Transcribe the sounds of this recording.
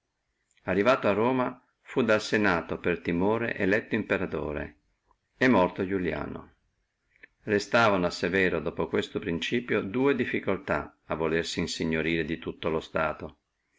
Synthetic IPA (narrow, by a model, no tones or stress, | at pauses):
arːivaːt̪oarːoːma | fud̪alsenaːt̪opert̪imoːɾḛʔelɛt̪ːoimpeɾat̪o̰ːɾḛ | emːɔrt̪od͡ʒulja̰ːno̰ | rest̪aːvanoasevɛːɾod̪oːpokwest̪opɾint͡ʃiːpjod̪uːed̪ifːikolt̪a̰avːolersiːnsiɲːoɾiːɾed̪it̪ut̪ːolost̪aːt̪o